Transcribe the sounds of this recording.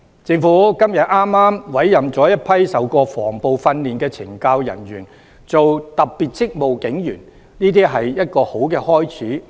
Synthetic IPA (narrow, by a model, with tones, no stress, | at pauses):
t͡sɪ˧ŋfuː˨˥kɐ˥mjɐ˨t̚ʔaː˥mːaː˥mwɐ˨˥jːɐ˨mt͡sɔː˨˥jɐ˥t̚pʰɐ˥jsɐ˨wkɔː˧fɔː˨˩ŋpo˨wfɐ˧nliː˨nkɛː˧t͡sʰɪ̰˨˩ŋkaː˧wjɐ̰˨˩njyː˨˩n | t͡so˨wt̪ɐ˨k̚piː˨t̚t͡sɪ˥k̚mo˨wkɪ˨˥ŋjyː˨˩n | niː˥t̪iː˥ɦɐ˨jjɐ˥t̚kɔː˧ho˨˥wkɛː˧hɔː˥jt͡sʰiː˨˥